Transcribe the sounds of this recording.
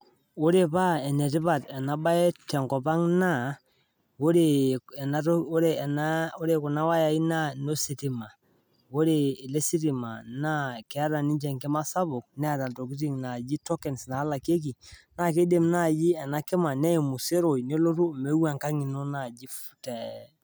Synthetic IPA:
o˦ɾe˨pa˦ɛ˨nɛ˨tɪ˦pa˨tɛ˨na˨ba˦ɛ˦tɛ˨ŋkɔ˨pa˦ŋna˦˨ | o˦ɾe˨ɛ˨na˨˦o˦ɾe˨na˦o˦ɾe˨kʊ˨na˦wa˦ja˨i˦na˦no˦si˨ti˨ma˨ | o˦ɾeː˨le˦si˦ɾi˨ma̰˨na˦kɛ˨a˦ɾa˨nɪ˦ɲt͡ʃɛ˨ŋkɪ˦ma˦sa˦bʊ˨k̚nɛ˦a˨ta˨to˨kɪ˦ti˦ŋna˨d͡ʒi˦tɔ˦kɛ˨nsna˨˦la˨ke˦k̬i˨na˦˨ke˦de˨mna˦˨ji˦ɛ˨na˦kɪ˦ma˨nɛ˦i˨mʊ˨se˦ɾo˨jne˦lo˦ɾu˦me˦wa˨ŋka˦ŋɪ˨nɔ˦na˨d͡ʒi˦fu̥˦tɛ˨

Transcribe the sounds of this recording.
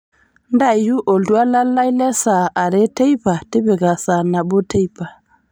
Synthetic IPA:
nda˦˨ju˦ʔo˨ldu˦a˦la˦lːa˦jle˦sa˨a˨ɾe˦te˦jpa˨te˦be˨ɡa˨sa˨na˨bo˦te˦jpa˨

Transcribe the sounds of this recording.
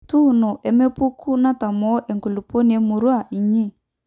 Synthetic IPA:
tu˦˨nɔ˨ʔɛ˨me˦pu˦kʰu˦na˦ta˨mɔ˨˦ʔɛ˨ŋku˨lu˨po˦ni˨ɛ˦mu˨ɾwa˦˨ʔi˨ɲi˦˨

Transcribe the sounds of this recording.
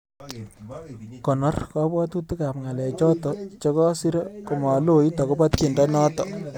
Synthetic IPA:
kɔ˨nɔ˦rka˦bɔ˦tu˦tu˦ka˨pŋa˨lɛ˨t͡ʃɔ˦tɔ˨t͡ʃɔ˦kɔ˦si˦ɾɔ˦ko˨mɔ˨lo˦ji˦tɔ˨kɔ˦pa˦t̪ki˨ndɔ˦nɔ˦tɔ˨

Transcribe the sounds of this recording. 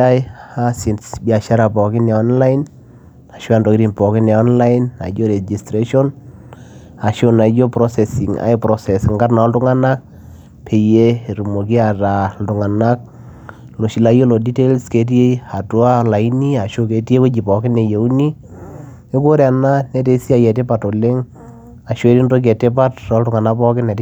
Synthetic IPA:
a˦ja˦si˨nsbia˨ʃa˦ɾa˨pɔ˨kɪ˦na˨ɔ˦nla˦ɪn | a˨ʃo˦a˦˨ndɔ˨ki˦ɾi˨npɔ˨kɪ˦na˨ɔ˦nla˦ɪna̰˨d͡ʒo˦ɾe˨d͡ʒi˨stɾe˦ʃɔ˦n | a˨ʃo˦na˨d͡ʒo˦pɾɔ˦sɛ˨si˨ŋa̰˦jpɾɔ˦sɛ˨sŋɡa˦rna˨ɔ˦ldʊ˦ŋa˦na˦k̚ | pʰe˨je˦˨ɾu˨mo˨k̬i˦a˨ɾa˨ldʊ˨ŋa˨na˦k̚ | lo˨ʃi˨la˦jo˦lo˨di˦te˦lske˨t̬i˦e˦a˨tu˦a˦la˨i˦ni˦a˨ʃo˦ke˨te˦ko˦d͡ʒi˨pɔ˨kɪ˦ne˨je˨u˦ni˦ | e˦ko˦ɾja˨na˦nɛ˦te˨˦si˦a˨jɛ˨te˦pa˨to˨lɪ˦ŋ | a˨ʃwe˦ɾi˦ndo˦k̬ɛ˨te˦pa˦tːɔ˦ltʊ˨ŋa˨na˦pɔ˦kɪ˦nɛ˨t

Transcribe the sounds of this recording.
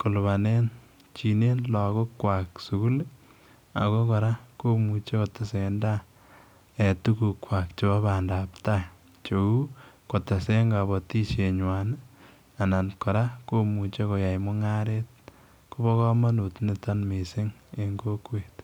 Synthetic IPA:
ko˨lβa˨ne˦n | t͡ʃi˨ne˦nlɔ˨ko˦kwa˨ksu˨ku˦l | a̰˨ko˦kɔ˨ɾa˦ko˦mu˨t͡ʃe˦kɔ˨ta˨se˨nda˦ | ɛ˨tu˦ku˨kːwa˨kt͡ʃe˦βa˦ba˨ndaːpta˦ | t͡ʃo˨u˦ko˨ta˨se˦ŋɡa˨bɔ˨ti˦t͡ʃe˨ɲwa˨n | a˨na˨nkɔ˨ɾa˦ko˦mu˨t͡ʃe˦ko˨ja˨jmʊ˦ŋa˦ɾe˦t̚ | ku˦bɔ˦kɔ˦ma˦nu˨tne˦ta˦nme˨sɪ˦ŋe˨ŋɡo˦kwe˨t

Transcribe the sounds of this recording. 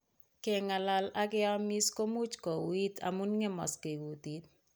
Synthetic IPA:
kɛ˨ŋa˨la˨la˦kɪ˦a˦mi˦sko˦mu˦t͡ʃkɔ˨wi˦ta̰˨mu˦nŋɛ˦mɔ̰˨ske˨ɡu˨ti˦t̚

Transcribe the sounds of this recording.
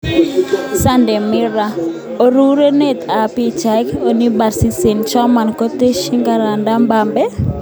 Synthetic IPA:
sa˦ndɛ˨mi˦ɾa˨ | o˨ɾu˦ɾe˦ne˦˨t̪a˨pi˨t͡ʃa˨jko˨ni˦ba˨ɾsi˦se˨nt͡ʃɔ˦ma˨nko˦t̪e˦ʃi˦ŋɡa˨ɾa˨nda˦mba˨mbɛ˦

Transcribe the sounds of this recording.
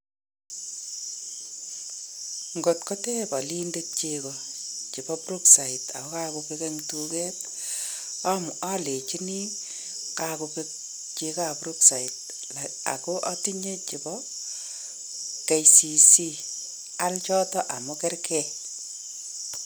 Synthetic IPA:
ŋɡo˨tkɔ˦te˦bɔ˨li˦nde˦t̚t͡ʃekɔ˨t͡ʃi˨bɔ˦pɾu˦ksa˨i˨ta̰˨kɔ˦ka˦ku˨kekɛ˦ŋtukɛ˦t | a˦mu˨a˦le˨t͡ʃi˦ni˦ | kaku˨ke | t͡ʃe˧ka˦pɾu˦ksa˨it̚ | la̰˨ko˦ʔa˦ti˦ɲe˦t͡ʃi˨pɔ | ke˨jsi˨si˦ | a˦lt͡ʃɔ˦tɔ˦ʔa˨mu˦kɛ˦rkɛ˦

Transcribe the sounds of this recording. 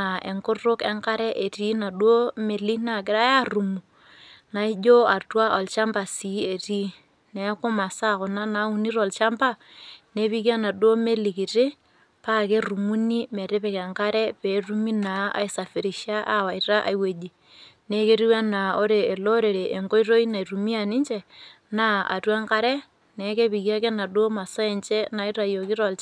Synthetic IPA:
a˨e˨ŋkʊ˦rʊ˦kɛ˦ŋka˦ɾɛ˦ʔe˨ti˦na˨dwo˦me˨li˦na˨kɪ˦ɾa˦a˦ru˨mu˨ | na˨˦i˦d͡ʒo˦a˨twa˦ʔɔ˨lt͡ʃa˦mba˨si˨˦e˨ti˦ | nɛ˨˦kʊ˦ma˨sa˦kʊ˨na˦na˦u˨ni˦ɾɔ˨lt͡ʃa˦mba˦ne˦βi˦ki˦a˦na˨du˦o˦me˦li˨ki˨tɪ˦ | pa˦ke˦ru˨mu˦ni˦mɛ˨ɾɪ˦pɛ˨kɛ˨ŋka˦ɾɛ˦pe˨˦ru˦mi˦na˨˦a̰˨i˨sa˨fe˨ɾi˨ʃa˦ʔa˦wa˨ira˦ʔa̰˨i˨we˨d͡ʒi˨ | ne˦ke˦ɾi˦wa˦na˨o˦ɾeː˨lo˦ɾe˨ɾe˨ʔe˨ŋɡo˦i˦ro˦i˦na˨i˨ru˨mi˦a˨nɪ˦ɲt͡ʃɛ˨ | na˦a̰˨twa˦ŋka˦ɾɛ˦ | nɛ˨˦ke˦pi˨kja˦kɛ˦na˨do˦ma˨sa˦ɛ˨ɲt͡ʃɛ˦na˦i˦ɾa˨jo˨ki˦ɾɔ˨lt͡ʃ

